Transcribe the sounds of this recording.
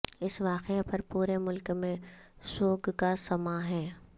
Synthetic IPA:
ɪsʋaːqepɐɾpuːɾemʊlkmẽsoːɡkasɐmaɦɛː

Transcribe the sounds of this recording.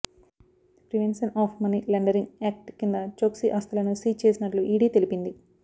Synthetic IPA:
pɾiʋenʃɐnaːpʰmɐnilɐɳɖɐɾiŋeːk̚ʈkind̪ɐt͡ʃoːksiʔɐst̪ɐlɐnusiːt͡ʃeːsinɐʈluʔiːɖiːt̪e̞lipind̪i

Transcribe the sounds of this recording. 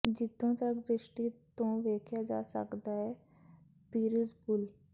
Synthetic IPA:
d͡ʒit̪ːõt̪ɾək̚d̪ɾɪʂʈit̪õʋeːkʰjad͡ʒa̰sə̰kd̪aɦɛ | piːɾisbul

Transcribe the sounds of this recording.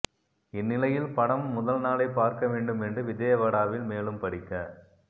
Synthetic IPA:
ɪnːɪlɐjɪlpɐɽɐmːʊðɐlnaːlɐɪpːaːɾkɐʋeːɳɖɯmɛndrɯʋɪðeːjɐʋɐɽaːʋɪlmeːlɯmpɐɽɪkːɐ

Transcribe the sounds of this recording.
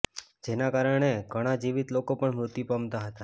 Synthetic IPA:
d͡ʒenakaɾəɳ̃eɡʱəɽ̃ad͡ʒiʋit̪lokopəɳmɾut̪ipəmt̪aɦət̪a

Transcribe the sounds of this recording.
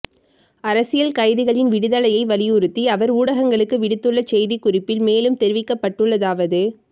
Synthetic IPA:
ɐɾɐsɪjɐlkɐɪðɪɣɐɭɪnʋɪɽɯðɐlɐjɐɪʋɐlɪjʊɾɯt̪ːiɐʋɐɾuːɽɐɣɐŋɡɐɭɯkːɯʋɪɽɪt̪ːɯɭːɐt͡ʃɛjðikʊrɪpːɪlmeːlɯmt̪ɛɾɯʋɪkːɐpːɐʈːɯɭːɐðaːʋɐðɯ

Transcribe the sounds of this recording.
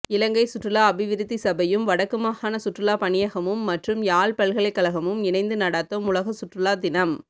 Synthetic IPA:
ɪlɐŋɡɐɪsʊʈrɯlaːɐbɪʋɪɾt̪ːisɐbɐjɯmʋɐɽɐkːɯmaːhaːnɐsʊʈrɯlaːpɐɳɪjɐɣɐmɯmːɐʈrɯmjaːɭpɐɭɣɐɭɐɪkːɐɭɐɣɐmɯmɪnɐɪnd̪ɯnɐɽaːt̪ːɐmʊɭɐɣɐsʊʈrɯlaːd̪ɪnɐm

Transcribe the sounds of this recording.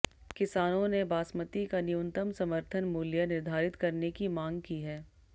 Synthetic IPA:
kɪsaːnõnebaːsmət̪ikaniʊnt̪əmsɐməɾt̪ʰənmuːljanɪɾd̪ʱaːɾɪt̪kɐɾnekimãːŋɡkiɦɛː

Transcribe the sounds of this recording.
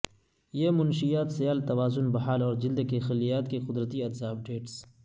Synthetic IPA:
jeːmʊnʃijaːt̪sɐjaːlt̪ɐwaːzʊnbɐɦaːlɔːɾd͡ʒɪld̪kexɐlːijaːt̪kexʊd̪ɾət̪iɐd̪zaːb̚ɖeːʈs

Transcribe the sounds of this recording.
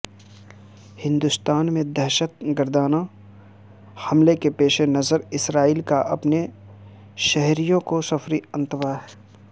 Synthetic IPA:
hɪ̃nd̪ʊst̪aːnmẽd̪ɛɦʃət̪̚ɡəɾd̪aːna | hɐmlekepeːʃenɐzəɾɪsɾaːiːlkaʔɐpne | ʃɛɦɾijõkosɐfɾiə̃nt̪ʋaɦɛː

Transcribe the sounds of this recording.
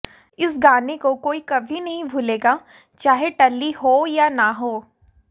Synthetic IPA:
ɪsɡaːnekokoːikɐbʱinɐɦĩbʱuleːɡa | t͡ʃaːɦeʈɐlːihoːjanaɦoː

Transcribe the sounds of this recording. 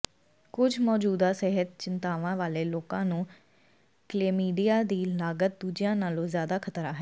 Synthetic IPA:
kʊd͡ʒʱmɔːd͡ʒuːd̪aːseɦət̪̚t͡ʃɪnt̪aːʋãːʋaːleːloːkãːnũː | kleːmiːɖijaːd̪iːlaːɡət̪̚d̪uːd͡ʒɪjãːnaːlõːzjaːd̪aːkʰət̪ɾaːɦɛː

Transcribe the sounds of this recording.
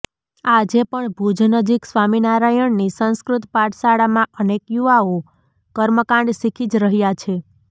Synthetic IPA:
ad͡ʒepəɳbʱud͡ʒnəd͡ʒiksʋaminaɾajəɳnisə̃ñskɾut̪paʈsaɽamãʔənekjuʋao | kəɾməkãɳɖsikʰid͡ʒɾəɦjat͡ʃʰe

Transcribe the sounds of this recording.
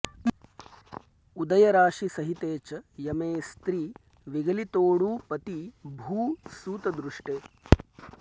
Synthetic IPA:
ud̪ɐjɐɾaːʂisɐɦit̪eːt͡ʃɐjɐmeːst̪ɾiː | ʋiɡɐlit̪oːɽuːpɐt̪ibʱuːsuːt̪ɐd̪ɾuʂʈeː

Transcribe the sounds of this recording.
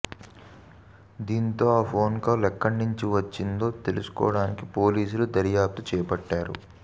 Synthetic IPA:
d̪iːnt̪o̞ːaːpʰo̞ːnkɐːlɛkːɐnuɲt͡ʃiʋɐt͡ʃːind̪o̞ːt̪e̞lusu̥kɔ̰ːʋɐɽaːnikipo̞ːliːs̬ulud̪ɐɾjaːp̚t̪ut͡ʃɛːpɐʈːaːɾṵ

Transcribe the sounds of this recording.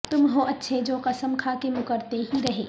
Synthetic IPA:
t̪ʊmɦoʔɐtːʃʰed͡ʒoːqɐsəmkʰaːkemʊkəɾt̪eɦiɾɐɦḛː

